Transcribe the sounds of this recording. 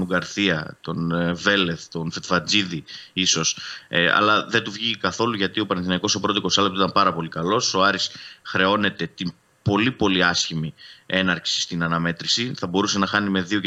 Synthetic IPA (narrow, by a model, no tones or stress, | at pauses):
uɡɐɾθiɐt̪o̞nve̞le̞θt̪o̞nfet̪fɐd͡ziðiiso̞sɐ̰lɐðe̞d̪uvʝikɐθo̞luʝɐt̪io̞pɐnenθinɐiko̞so̞pɾo̞t̪iko̞sɐlept̪it̪ɐmpɐɾɐpo̞likɐlo̞so̞ɐɾisxɾe̞o̞ne̞t̪e̞t̪im | po̞lipo̞liɐsçimie̞nɐɾksi̥st̪inɐnɐme̞t̪ɾisiθɐbo̞ɾuse̞nɐxɐnime̞ðio̞ce